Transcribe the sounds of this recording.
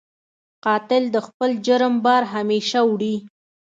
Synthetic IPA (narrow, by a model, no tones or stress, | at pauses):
qɑt̪ɪld̪əxpəld͡ʒəɾəmbɑɾɦameʃawɽi